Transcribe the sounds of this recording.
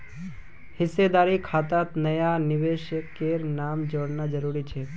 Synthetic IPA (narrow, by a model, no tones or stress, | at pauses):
hɪsed̪aɾikʰat̪at̪nəjanɪʋeʃkːeɾnamd͡ʒoɽnad͡ʒəɾuɾit͡ʃʰe